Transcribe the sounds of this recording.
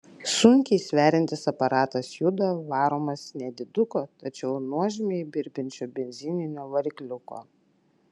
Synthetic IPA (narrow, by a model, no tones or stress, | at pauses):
sʊŋʲkʲɛɪsʲʋʲæːɾʲɪnʲt̪ʲɪsɐpɐɾɑːt̪ɐsjʊd̪oʋɑːɾoːmɐsnʲɛd̪ʲɪd̪ʊkoːt̪ɐt͡ʃʲɛʊnuɔʒʲɪmʲebʲɪɾʲbʲɪnʲt͡ʃʲoːbʲɛnʲzʲɪnʲɪnʲoːʋɐɾʲklʲʊko̰ː